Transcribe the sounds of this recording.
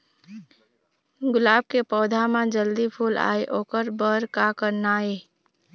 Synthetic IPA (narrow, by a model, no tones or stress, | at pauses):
ɡʊlaːb̚kepɔːd̪ʱamãd͡ʒəld̪ipʰuːla̰ːeʔoːkəɾbəɾkakəɾnaːeː